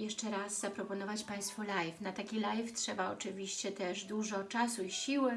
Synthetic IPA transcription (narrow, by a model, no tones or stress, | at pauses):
jɛʂt͡ʂɛɾazːapɾɔpɔn̪ɔvat͡ɕpaj̃st̪fɔlajfnat̪akʲilajftʂɛbaɔt͡ʂɘvʲiɕt͡ɕɛt̪ɛʐd̪uʐɔt͡ʂasuiɕiwɘ